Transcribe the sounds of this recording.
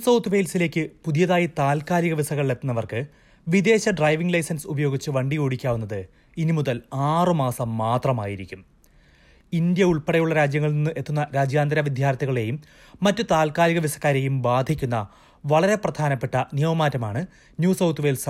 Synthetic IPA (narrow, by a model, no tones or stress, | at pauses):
sɐwt̪ʰːʋe̞ːlsile̞ːkʲːɨpuðijɐðaːjit̪aːlkaːliɣɐʋisɐɣɐɭe̞t̪ːunːɐʋɐrkɨ | ʋid̪e̞ːɕɐɖrɐjʋiŋɡlɐjsɐnsubɐjo̞ːɡit͡ɕːɨʋɐɳɖijoːɽikʲːaːʋunːɐðɨ | inimuðɐlaːrɨmaːsɐmːaːt̪rɐma̰ːjiɾikʲːum | ind̪jɐuɭpeɽɐjuɭːɐɾaːd͡ʑjɐŋːɐɭninːɨʔe̞t̪ːunːɐɾaːd͡ʑjaːnd̪ɐɾɐʋid̪ʱjaːrt̪iɣɐɭe̞jumː | ɐtːɨt̪aːlkaːliɣɐʋisɐ̥kːaːɾe̞jumbaːd̪ʱikʲːunːɐ | ʋɐɭɐɾe̞prɐd̪ʱaːnɐpːe̞ʈːɐnijɐmɐmaːtːɐmaːɳɨ | njuːsɐwt̪ʰʋe̞ːls